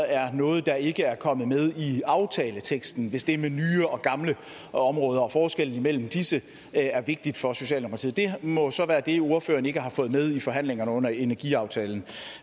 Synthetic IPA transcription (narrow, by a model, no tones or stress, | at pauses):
æɐnɔ̽ːð̞̩ˠd̥ɑ̈e̝ɡ̥əæɐkʰɒ̽məð̞̩ˠmeðˠiɑ̈ʊt͡sʰɛːlət͡sʰeɡ̥sd̥n̩ʋe̝sd̥e̝ɐmenyːəɒ̽ɡ̥ɑ̈mlə | ɒ̽mʁɔ̽ːð̞ˠɐɒ̽fɒːsɡ̥el̰n̩imel̰m̩d̥isə | æɐʋe̝ɡ̥̚d̥id̥fɒ̽so̝ɕɛ̰ːlmo̥kʰɑḭð̰ˠd̥e̝mɔ̽sɒ̽ʋæːɐd̥e̝o̝ɐføːɐne̝ɡ̥əɦɑ̈fɔ̽ːð̩ˠmeð̞ˠifɒ̽ɦæn̰leŋɐnəɔ̽n̰ɐe̝næɐɡ̥iɑ̈ʊt͡sʰɛːln̩